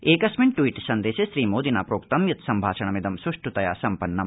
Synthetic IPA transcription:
eːkɐsmiɳʈwiːʈsɐnd̪eːsɐʃɾiːmoːd̪inaːpɾoːkt̪ɐmjɐt̪sɐmbʱaːʃɐɳɐmid̪ɐmsuʂʈut̪ɐjaːsɐmpɐnːɐm

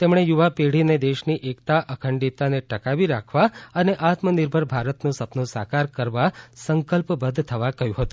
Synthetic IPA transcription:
t̪emɳ̃ejuʋapeɽ̤ined̪eʃniʔekt̪aʔəkʰəɳɖit̪aneʈəkaʋiɾakʰʋaəneʔat̪məniɾbʱəɾbʱaɾət̪nõsəpnõsa̰kaɾkəɾʋasəŋkəlpbəd̪ʱt̪ʰəʋakəjũɦət̪ũ

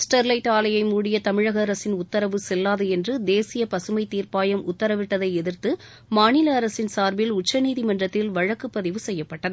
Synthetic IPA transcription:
sʈɐɾlɐɪʈaːlɐjɐɪmuːɽɪjɐt̪ɐmɪɻɐɣɐːɾɐsɪnʊt̪ːɐɾɐʋɯsɛlːaːðɐɛndrɯd̪eːsɪjɐpɐsɯmɐɪt̪ːiːɾpaːjɐmʊt̪ːɐɾɐʋɪʈːɐðɐɪɛðɪrt̪ɯ | maːnɪlɐːɾɐsɪnsaːɾbɪlʊt͡ʃːɐniːðimɐndrɐt̪ːɪlʋɐɻɐkːɯpːɐðɪʋɯsɛjːɐpːɐʈːɐðɯ

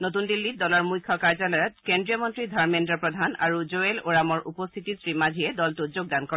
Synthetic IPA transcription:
notundilːit̚dɔlɔɹmujkʰːɔkaɹzalɔjɔtkendɹijɔmɔntɹidʱaɹmendɹɔpɹɔdʱana̰ɹuzoeloɹamɔɹʔupɔst̪ʰitisɹimazʱiɛdɔltuzoɡ̚dankɔ

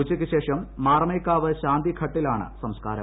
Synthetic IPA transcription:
ut͡ɕːikʲːɨɕe̞ːʂɐmːaːrmɐjkːaːʋɨɕaːnd̪ikʰɐʈːilaːɳɨ̰sɐmska̰ːɾɐ̰

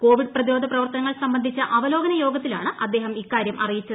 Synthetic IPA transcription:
ko̞ːʋiɖ̚prɐðiɾo̞ːd̪ʱɐprɐʋɐrt̪ɐnɐŋːɐɭsɐmbɐnd̪ʱit͡ɕːɐʔɐʋɐlo̞ːɡɐnɐjo̞ːɡɐt̪ːilaːɳɨʔɐd̪ːe̞ːɦɐmikːaːɾjɐmʔɐrijit͡ɕːɐ

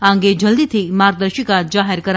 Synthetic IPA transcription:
ãːŋɡed͡ʒɐld̪iːt̪ʰimaːɾɡ̚d̪əɾʃikad͡ʒaːɦəɾkɐɾ

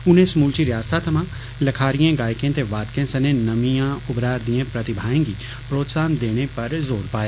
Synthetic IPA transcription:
ʊn̤ẽsmuːlt͡ʃiɾjaːsat̪ʰɐmã | lɐkʰaːɾijẽɡaːjkẽt̪eʋaːd̪kẽsɐnẽnɐmijãʊbɾaːɾd̪ijẽpɾɐt̪ɪbʱaːẽŋɡi | pɾoːt̪saːnd̪eːɽ̃epɐɾzoːɾpaːe

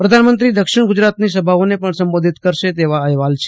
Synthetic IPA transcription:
pɾəd̪ʱanmənt̪ɾid̪əkʃɪɳɡʊd͡ʒɾat̪nisəbʱaonepəɳsəmbod̪ʱit̪kəɾʃet̪eʋaəɦʋalt͡ʃʰe

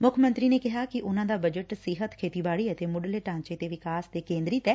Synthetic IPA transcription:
mʊkʰmə̃nt̪ɾiːneːkɪɦaːkɪʔʊnãːd̪aːbəd͡ʒəʈsɪɦət̪kʰeːt̪iːbaːɽiːət̪eːmʊɖəleːʈãːnt͡ʃeːt̪eːʋɪkaːsd̪eːkẽːnd̪ɾɪt̪ɛː

